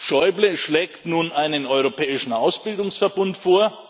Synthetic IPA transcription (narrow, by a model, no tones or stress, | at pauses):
ʃɔʏbləʃlɛːktnuːnʔaɪnənɔʏʁ̞opʰɛːɪʃn̩ʔaʊsb̥ɪldʊŋsfɛɐbʊntfoːɐ